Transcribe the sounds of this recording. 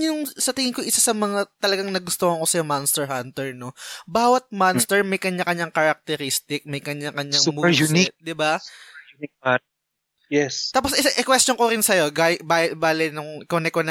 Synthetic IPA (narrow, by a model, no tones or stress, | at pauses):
jʊŋsɐt̪ɪŋɪŋkoʔɪsasɐmɐŋat̪ɐlɐɡaŋnɐɡʊst̪ohɐŋkosɐjomanst̪ɛɹɦant̪ɛɹno̞baːwɐt̪̚manst̪ɛɹmɐjkɐɲakɐɲːaŋkɐɾɐk̚t̪ɛɾist̪ɪk̚mɐjkɐɲakɐɲːamjunɪd̪ɪbajnɪk̚a | jɛst̪aːposɪʔɪkwɛst͡ʃoŋkoɾɪnsɐjo̞ɡaɪbabaːlɪnʊŋkonɛkonɐ